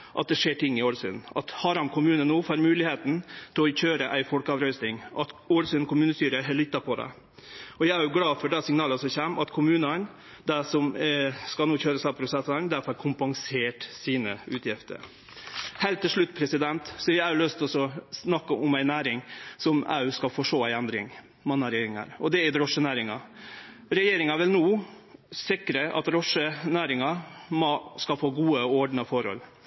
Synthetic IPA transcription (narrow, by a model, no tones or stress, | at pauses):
ʔɑt̪̚d̪ɛʂeːʈʰɪŋːɪoːlsʉ̰d̪nɑ̰t̪hɑɾɑmkʰʊmʉːnənuːfɑːɾmʉːlɪheːt̪n̩t̪ʰɪlɔçøːɾəʔæɪfɔlkɑʋɾœʏsnɪŋʔɑt̪oːɾsʉnkʊmʉːnəst̪yːɾəɦɛlʏt̪ːɑpʰɔd̪ɛ̰ | ɔjæɪæɾjʊɡɽɑːfɔɖɛsɪŋnɑːləsɔmçɛmɑt̪kʰʊmʉːnən | d̪æsɔmskɑlnuːçøːɾəsɑpʰɾʊsɛsənd̪æfɑɾkʰʊmpɑŋseːʈsiːnəʉːt̪jɪft̪ə̰ɾ | hɛɪlt̪ːɪlʂɭʉt̪ːpʰɾɛsɪd̪ɛnt̪sɔjææløst̪ɔsɔsnɑkːəʔɔmæɪnæːɾɪŋsɔmæ̰ːʉskɑfɔʂoːæɪɛnd̪ɾɪ̰ŋ | mɑnːɑɾɛjeːɾɪŋə̰ɾɔd̪ɛɪd̪ɾɔʂənæːɾɪŋɑ̰ | ɾɛjeːɾɪŋɑʋɪlnuː | sɪkɾəʔɑ̰t̪ɾɔʂənæːɾɪŋɑmɔskɑfoːɡuːəɔɖnɑfɔɾhɔ̰l